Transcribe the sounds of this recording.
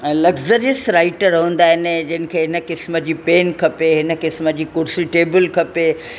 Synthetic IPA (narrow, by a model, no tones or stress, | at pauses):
lɐɡzəɾijəsɾaːɪʈɾɐɦə̃ːnd̪aːɦɪnɪd͡ʑɐnɪ̆kʰeːɦɪnə̆kɪsməd͡ʑiːpeːnkʰɐpeɦɪnə̆kɪsməd͡ʑiːkʊɾsiʈeːbəlkʰɐpe